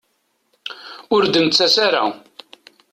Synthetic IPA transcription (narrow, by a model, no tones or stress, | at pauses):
ʊɾd̪ənt͡sːæsaɾa̰